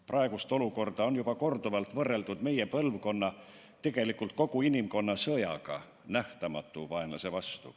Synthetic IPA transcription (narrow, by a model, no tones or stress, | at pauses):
prʔɑe̞ɡust̪o̞luko̞rd̪̥ɑo̞njub̥ɑko̞rd̪̥uvɑlt̪vɤrːe̞ld̪ud̪me̞je̞pɤlvko̞nːɑ | t̪e̞ɡ̥e̞likːˑult̪̚ko̞ɡ̥uinimko̞nːɑsɤjɑ̰ɡ̥ɑ̰ | næht̪ɑmɑt̪ːˑuvɑe̞nlɑ̰se̞vɑst̪ṵ